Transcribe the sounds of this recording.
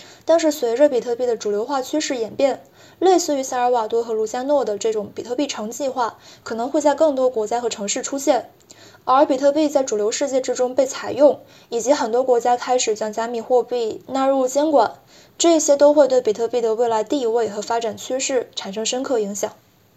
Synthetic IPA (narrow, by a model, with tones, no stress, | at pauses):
t̪a˥˧nʂ̬ɻ̩˥˩swe˧˥ɪʈ͡ʂɤ˥˧pi˨˩t̪ʰɤ˥˧pi˥˩d̪ə˩ʈ͡ʂu˨˩ljo˧˥ʊxwa˥˩t͡ɕʰy˥ʂɻ̩˥˩jɛ˨˩npjɛ˥˩n | le˥˧ɪsɹ̩˥˩y˧˥sa˥˩ə˞˧˥wa˨˩t̪wɔ˥xɤ˧˥lu˧˥˩t͡ɕja˥nwɔ˥˩d̪ə˩ʈ͡ʂɤ˥˩ʈ͡ʂʊ˨˧˥ŋpi˨˩t̪ʰɤ˥˧pi˥˩ʈ͡ʂʰɤ˧˥ŋt͡ɕi˥˧xwa˥˩kʰɤ˨˩nɤ˧˥ŋxwe˥˧ɪt͡sa˥˧ɪkɤ˥˩ŋt̪wɔ˥kwɔ˧˥t͡ɕja˥xɤ˧˥ʈ͡ʂʰɤ˧˥ŋʂɻ̩˥˩ʈ͡ʂʰu˥ɕjɛ˥˩n | ə˞˧˥pi˨˩t̪ʰɤ˥˧pi˥˧t͡sa˥˩ɪʈ͡ʂu˨˩ljo˧˥ʊʂɻ̩˥˧t͡ɕjɛ˥˩ʈ͡ʂɻ̩˥ʈ͡ʂʊ˥ŋpe˥˩ɪt͡sʰa˨˩ɪjʊ˥˩ŋ | i˨˩t͡ɕi˧˥xə˨˩nt̪wɔ˥kwɔ˧˥t͡ɕja˥kʰa˥ɪʂɻ̩˨˩t͡ɕa˥˩ŋt͡ɕa˥mi˥˩xwɔ˥˧pi˥˩na˥˧ɻu˥˩t͡ɕjɛ˥nkwa˨˩˦n | ʈ͡ʂɤ˥˩˧ɕjɛ˥t̪o˥ʊxwe˥˧ɪt̪we˥˩pi˨˩t̪ʰɤ˥˧pi˥˩d̪ə˩we˥˩ɪla˧˥ɪt̪i˥˧we˥˩ɪxɤ˧˥fa˥ʈ͡ʂa˨˩nt͡ɕʰy˥ʂɻ̩˥˩ʈ͡ʂʰa˨˩nʂɤ˥ŋʂə˥nkʰɤ˥˩i˧˥ŋɕjɑ˨˩˦ŋ